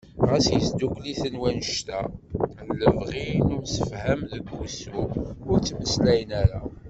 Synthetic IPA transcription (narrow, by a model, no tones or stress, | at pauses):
ʁæsjəsd̪ukliθənwænʃt̪ælːəvʁinumsəfhæmðəɡːusuʊɾt͡sːməslæjənæɾa